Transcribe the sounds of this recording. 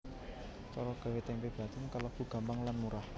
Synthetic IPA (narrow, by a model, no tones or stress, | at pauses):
t͡ʃɔɾɔɡ̥a̤wet̪ɛmpeb̥ä̤t̪ɪnkalɔɡ̥ṳɡ̥ä̤mbaŋlanmuɾah